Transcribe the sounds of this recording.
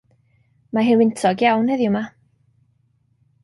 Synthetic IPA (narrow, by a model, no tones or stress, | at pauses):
maɦɪnwɪntʰɔɡjawnhəðjʊma